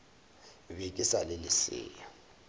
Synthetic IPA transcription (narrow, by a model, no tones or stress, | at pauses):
βekʼisalelisɪ̰ːja